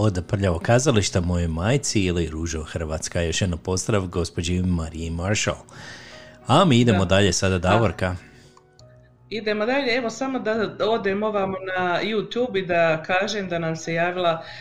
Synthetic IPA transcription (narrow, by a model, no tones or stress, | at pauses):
o̞d̪pr̩ʎaʋokazaliʃt̪amo̞jojmajt̪siiliɾuʒoxr̩ʋaːt̪skajo̞ʃjed̪nopo̞zd̪ɾaʋɡo̞spo̞d͡ʑimaɾiimaɾʃa̰l | amiːid̪e̞mod̪aʎe̞sad̪ad̪aʋoɾka | id̪e̞mod̪aʎeeʋo̞samo̞d̪aod̪emo̞ʋamnajut̪juːbid̪akaːʒemd̪anamsejaːʋilˠa